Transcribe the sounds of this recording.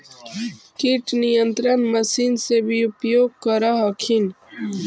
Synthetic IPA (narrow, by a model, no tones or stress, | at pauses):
kiʈnijənt̪ɾənmɐsinsebʱiupjoːɡ̚kəɾaɦɐkʰin